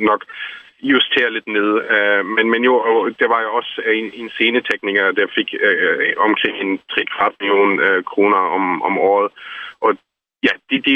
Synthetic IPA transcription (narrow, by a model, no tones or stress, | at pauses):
nɒ̽ɡ̥ | just͡sʰe̝ːɐle̝d̥ne̝ð̞ˠømenmenjo̝ɒd̥eʋɑ̈jɒ̽see̝nse̝ːnət͡sʰeɡ̥niɡ̥ɐd̥æjafe̝ɡ̥øɒ̽mkʰʁeŋ̰e̝nt͡sʰʁiɡ̥ʁɑ̰̈ːd̥milijo̝̰ːnøkʰʁo̝ːnɐɒ̽mʔɒmɒ̰ːð̞̩ˠʔɒ̽ | jæd̥e̝d̥e